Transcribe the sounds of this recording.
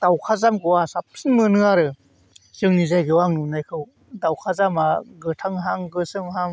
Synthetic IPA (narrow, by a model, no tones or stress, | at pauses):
d̥awkʰazamɡɯwasap̚sɯnmɯnɯaɾɯ | sɯŋnizajɡɯwaŋnunajkʰɯw | dawkʰazamaɡɯtʰaŋɦaŋɡɯsɯŋɦaŋ